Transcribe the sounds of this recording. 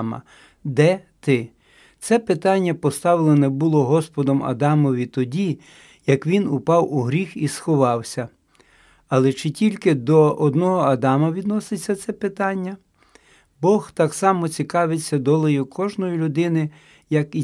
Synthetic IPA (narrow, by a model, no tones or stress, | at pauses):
mɐ̰ | d̪ɛt̪ɪ | t̪sɛpɪt̪ɑnʲːɐpɔst̪ɑwlˠenɛbʊlˠɔɦɔspɔd̪ɔmɐ̰d̪ɑmɔʋʲit̪ɔdʲi | jɐkʋʲinʊpɑwuɦɾʲixisxɔʋɑwsʲɐ | ɐlˠɛt͡ʃɪtʲilʲkɪd̪ɔʔɔd̪nɔɦɔɐd̪ɑmɐʋʲid̪nɔsɪt͡sʲːɐt̪sɛpɪt̪ɑnʲːɐ | bɔxt̪ɑksɑmɔt͡sʲikɑʋɪt͡sʲːɐd̪ɔlˠɔjʊkʰɔʒnɔjʊlʲʊd̪ɪnɪ | jɐki